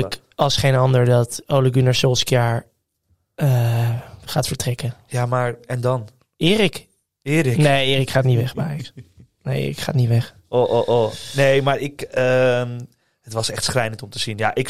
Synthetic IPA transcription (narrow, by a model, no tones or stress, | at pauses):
ək | ɑlˠsχejnɑndəɹdɑtowləɡynasɪlˠskjaːɹ | ə | χaːtfəɹtrɛkəjaːmaːɹɛndɑn | ɪːrɪk | ɪːɾɪknejɪːrikχaːtnitʋɛχbajəks | neʔɪ̰ːrikχaːtniʋɛχ | oʔoʔonejmaːɹɪkəm | ɦətʋɑsɛχtsχlɛjnəntɔmtəz̥injaːʔɪk